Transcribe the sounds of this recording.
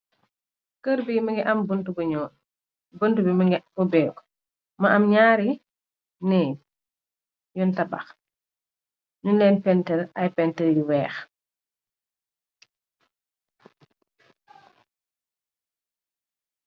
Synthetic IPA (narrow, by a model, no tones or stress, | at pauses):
kəɾbimɐŋɡɛʔambntubɲɔː | bəntubimɔbɛk | mɐʔːmɲaːɾi | nɛ | jɔntɐba̰x | nunlɛːnpɛntɛlɐjpɛntɛljiwɛːx